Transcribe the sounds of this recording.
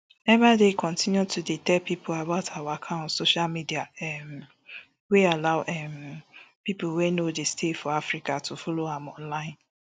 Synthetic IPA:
ɛvadekʰɔ̃ntĩnjutʰuditɛpipʊabaʊtʰawaakʰãʊ̃ntsoʃalmidiaɛm | wealaʊʔɛmpipowenodestʰefɔafɾikatʰufɔloãmɔ̃nlãɪ̃n

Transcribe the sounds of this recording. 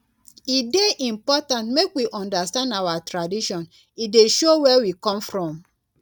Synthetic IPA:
ideʔĩmpɔtãntmekwiʔɔ̃ndastãndawatɾadiʃɔ̃n | ideʃowɛwikɔ̃mfɹɔ̃m

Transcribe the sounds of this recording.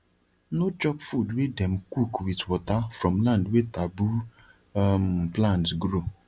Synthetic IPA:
nod͡ʒɔpfudwedɛm̩kukwitwɔtafɾɔ̃m̩lãndwetabu | mplãnɡɾo

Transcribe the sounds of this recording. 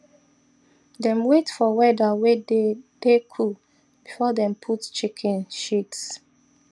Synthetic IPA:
dɛ̃mwetfɔwɛdawedepekʰu | b̥ifɔdɛ̃mpʰutt͡ʃikʰɛ̃nʃits

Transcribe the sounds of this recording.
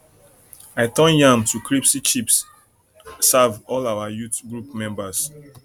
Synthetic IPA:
aɪtɔ̃njãmtʰukʰɹipsit͡ʃipsː | avɔlawajutɡɹupmɛ̃mbas

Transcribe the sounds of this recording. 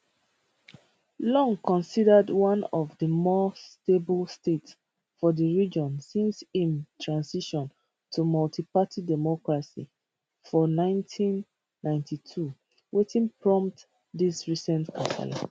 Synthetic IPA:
lɔ̃ŋkɔ̃nsidədwãnɔvðəmɔstebəlstets | fɔðəɹid͡ʒɔ̃nsĩnsĩntʰɹãnsiʃɔ̃n | tʰumɔltʰipatʰidɛmɔkɹasḭ | fɔnãɪ̃ntʰĩnː | ãɪ̃ntʰitʰu | wetĩnpʰɹɔ̃mpt | disɹisɛ̃ntkʰasa̰la̰

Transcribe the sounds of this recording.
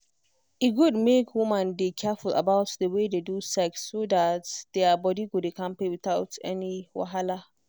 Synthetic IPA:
ʔiɡʊdmekʰwʊmãndekʰɛfula̰baʊtdəwededusɛksːodatd̪̥ɛabɔdiɡodekãmpewɪtaʊtɛ̰niwa̰ɦala

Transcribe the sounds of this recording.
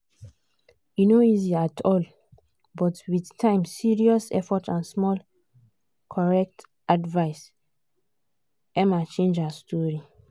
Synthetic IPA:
junoiziatʰɔl | bɔtwidtʰãɪ̃msiɹiɔsɛ̰fɔtãnsmɔl | kʰɔɹɛk̚t | ʔadvaɪs | ʔɛ̃mat͡ʃẽnd͡ʒastʰɔɹi

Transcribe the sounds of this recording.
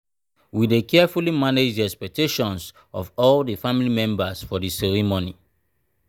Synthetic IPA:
widekʰɛfulimaned͡ʒdiɛkspɛk̚tʰeʃɔ̃ns | ɔvɔlðəfamilimɛ̃mbəsfɔðisɛɹimoni

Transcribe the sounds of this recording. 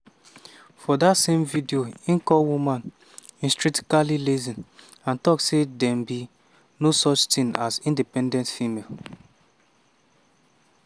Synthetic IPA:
fɔdatsemvidioĩŋkɔwumãn | ĩnstɹ̥ik̚ti̥kalilezĩn | ãntɔksedɛ̃mbi | nosɔt͡ʃtĩŋazĩndipɛ̃ndɛ̃ntfimel

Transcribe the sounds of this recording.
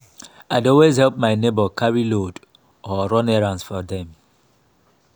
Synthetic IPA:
aɪdɔlwezhɛlp̚maɪnebɔkʰaɹilod | ɔɹɔ̃nɛɹãnsfɔðɛ̃m

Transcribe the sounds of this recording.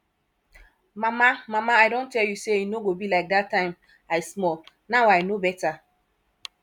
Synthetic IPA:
mamamamaaɪdõntʰɛljuseinoɡobilaɪk̚datːãɪ̃m | aɪsmɔl | nawajnobɛta

